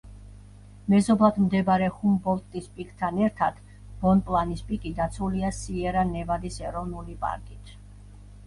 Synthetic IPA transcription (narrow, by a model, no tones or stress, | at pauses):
mɛzɔblˠad̪ʰmd̪ɛbɾɛχumbɔlˠt̪ʼispʼikʼt̪ʰanɛɾt̪ʰad̪̥ | b̥ɔnpʼlˠanispʼikʼid̪at̪sʰuliasiɛɾanɛvad̪isɛɾɔnulipʼa̰ɾkʼit̪ʰ